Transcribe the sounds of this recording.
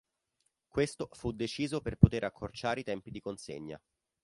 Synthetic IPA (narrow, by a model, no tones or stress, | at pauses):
kwest̪ofud̪ːet͡ʃiːzoperpot̪eɾʔakʰːort͡ʃaːɾeit̪ɛmpid̪ikonsḛɲːa̰